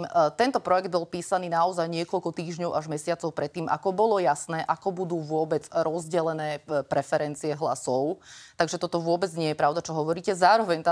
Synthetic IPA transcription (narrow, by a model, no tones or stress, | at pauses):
mt̪ɛnt̪ɔpɾɔjɛɡd̪bɔlpiːsaniːnaɔzajɲɪɛkɔʎkɔt̪iːʒɲɔʊʔaʒmɛsɪat͡sɔʊpɾɛt̪ːiːmʔa̰kɔbɔlɔjasnɛːʔakɔbud̪uːʋʊɔbɛd͡zɾɔzɟɛlɛnɛːpɾɛfɛɾɛnt͡siɛɦla̰sɔʊtt̪aɡʒɛt̪ɔt̪ɔʋʊɔbɛd͡zɲɪɛjɛpɾaʊd̪at͡ʃɔɦɔʋɔɾiːcɛzaːɾɔʋɛɲt̪a